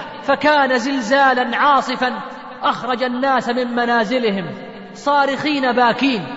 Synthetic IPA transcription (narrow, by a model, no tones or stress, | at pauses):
fakaːnazɪlzaːlanʕɑːsˤɨfan | ʔaxɾˤɑd͡ʒanːaːsmɪmmanaːzɪlɪhɪm | sˤɑːɾɪxiːnabaːkiːn